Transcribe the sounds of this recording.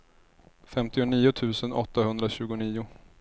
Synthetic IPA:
fɛmt̪ɪʊniːʊt̪ʰʉ̟ːsənɔ̰t̪ːahɵnd̪ɾaɕʉ̟ːɡʊniːʊ

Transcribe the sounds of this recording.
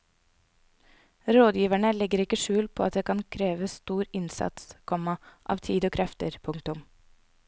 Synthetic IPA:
ɾoːd̪jiːʋæɳəlɛɡəɾɪkəʃʉːlpʰoːɑt̪̚d̪eːkʰɑnkʰɾeːʋəst̪uːɾɪnsɑ̰t̪skʰɔmɑʔɑ̰ːʋt̪ʰiːd̪oːkʰɾʔɛft̪əɾpʰʊŋt̪ʊm

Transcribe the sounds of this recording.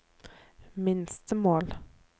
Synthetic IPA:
mɪnst̪əmoːl

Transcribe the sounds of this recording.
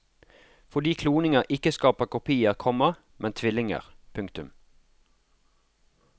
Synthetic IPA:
fɔd̪iːkʰluːnɪŋəʁʔɪkəskɑːpəʁkʊpʰiːəʁkʰɔməʁ | mʔɛnt̪ʰʋɪlɪŋə̰ʁpʰʉŋkt̪ʉm

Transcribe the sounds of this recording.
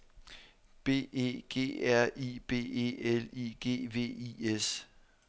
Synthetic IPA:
b̥e̝̰ːe̝̰ːɡ̥e̝̰ːæɐ̰iːb̥e̝̰ːe̝̰ːeliɡ̥e̝̰ːʋe̝̰ːies

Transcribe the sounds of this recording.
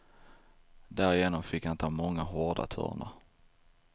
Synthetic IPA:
d̪æɾɪjeːnɔmfɪkhanɪt̪əːmɔŋːaɦoːɖa̰t̪ʰɵ̰ːɾɳa̰

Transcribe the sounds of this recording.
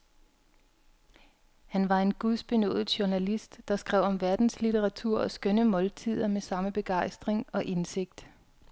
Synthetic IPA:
hænʋɑ̈e̝nɡ̥uðˠsb̥e̝nɔ̰̽ːð̩ˠɕuɐnælisd̥ːɑ̈sɡ̥ʁɛʊ̰ɒ̽mʋæɐd̥n̩slit͡sʰeʁɑ̈t͡sʰuɐ̰ɒ̽sɡ̥ønəmɒ̽lt͡sʰið̰ˠɐmesɑ̈məb̥e̝ɡ̥ɑ̈ɪ̰sd̥ʁeŋɒ̽ʔe̝nse̝ɡ̥̚d̥

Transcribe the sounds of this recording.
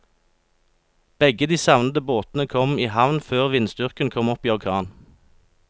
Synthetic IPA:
b̥ɛɡəd̪iːsɑʋnəd̪əboːt̪n̩əkʰɔmiːhɑʋnføːʁʋɪnst̪ʏʁkənkʰɔmɔpiːɑkʰɑːn

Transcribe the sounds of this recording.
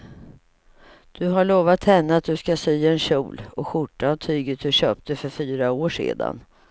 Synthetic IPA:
d̪̥ɵɦaɭoːvat̪hɛnːəat̪̚d̪ɵskasyːɛnɕuːlɔɧʊʈːahaʈʰyːɡət̪̚d̪ɵɕøːp̚t̪əfœɾfyːɾaoːʂḛːd̪a̰n

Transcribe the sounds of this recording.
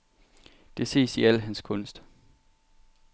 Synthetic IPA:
d̥e̝se̝̰ːsiæl̰ɦænskʰɔ̽n̰sd̥

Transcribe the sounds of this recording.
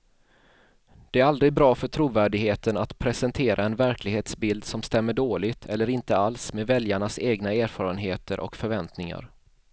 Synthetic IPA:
d̪̥ɛæɾald̪ɾɪɡ̚bɾɑːfœʈʰɾuːvæːɖɪɡheːt̪ənat̪pʰɾɛsɛnt̪ʰeːɾʔaɛnvæɾklɪɡheːt̪sbɪld̪sɔmst̪ɛmːəɖoːlɪt̪ʰɛlːəɾɪnt̪əalsmeːvɛljaɳaseːɡnaeːɾfɑːɾənɦeːt̪əɾʔɔ̰kfœɾvɛnt̪nɪŋa̰ɾ

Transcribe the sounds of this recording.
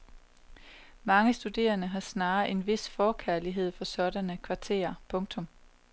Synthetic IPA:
mɑ̈ŋəsd̥ud̥e̝̰ːɐnəɦɑ̈snɑ̈ːe̝nʋe̝sfɒːkʰæɐliɦe̝ð̞̰ˠfɒ̽sɒ̽ɾænəkʰʋɑ̈t͡sʰe̝̰ːɐpʰɔ̽ŋt͡sʰɔ̽m

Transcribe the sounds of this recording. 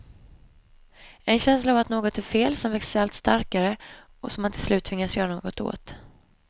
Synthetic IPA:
ɛnɕɛnslaːvat̪noːɡɔt̪æɾfeːlsɔmvɛksalt̪st̪aɾkaɾə | ɔsɔmːant̪ʰɪlslʉ̟ːt̪ʰːvɪŋːasjœːɾanoːɡɔt̪o̰ːt̪

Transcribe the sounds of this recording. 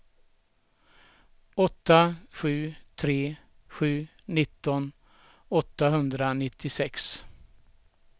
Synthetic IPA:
ɔt̪ːaɧʉ̟ːt̪ʰɾeː | ɧʉ̟ː | nɪt̪ːɔn | ɔt̪ːaɦɵnd̪ɾanɪt̪ʰːɪsɛks

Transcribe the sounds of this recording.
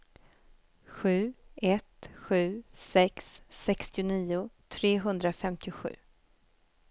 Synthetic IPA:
ɧʉ̟ːɛt̪ɧʉ̟ːsɛksːɛkst̪ɪʊniːʊt̪ʰɾeːɦɵnd̪ɾafɛmt̪ɪʊɧʉ̟̰ː

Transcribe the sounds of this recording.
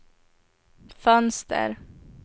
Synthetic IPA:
fœnsd̪æ̰ɾ

